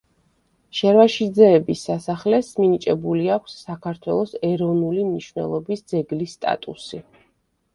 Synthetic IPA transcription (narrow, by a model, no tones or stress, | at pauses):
ʃɛɾvaʃid̪zɛːbisːasaχlɛsminit͡ʃʼɛbuliakʷʰsːakʰaɾt̪ʰwɛ̰lˠɔsɛɾɔvnulimniʃwnɛ̰lˠɔbisd̪zɛɡlisːt̪ʼa̰t̪ʼusi